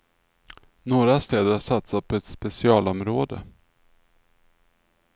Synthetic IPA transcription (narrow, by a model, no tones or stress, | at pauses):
noːɾast̪eːd̪əɾhaʂat̪sat̪̚pʰɔɛt̪spɛsɪɑːlɔmɾoːd̪ə̰